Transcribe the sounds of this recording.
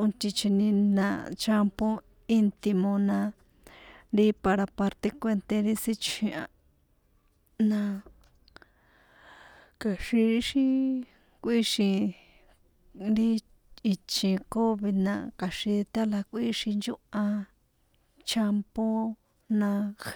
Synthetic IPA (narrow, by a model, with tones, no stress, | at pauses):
õ˧t̪ʲĩ˧t͡ʃi˧nĩ˧nã̰˧t͡ʃa˦mpõ˦ | i˦nt̪i˧mõ˧nã˧ | ɾi˦pa˧ɾa˧pa˧ɾt̪e˧kʷe˦˧nt̪e˧ɾi˦si˦t͡ʃĩ˧ã˧ | nã˧ | ka˨ʂi˧ɾi˦ʂi˦ | kʷi˦ʂĩ˧ | ɾi˦ | i˧t͡ʃĩ˧ko˦βi˧nã̰˧ka˨ʂi˧t̪a˦la˧kʷi˦ʂi˧nd͡ʒu˦ʔã˧ | t͡ʃa˦mpo˦ | nã˧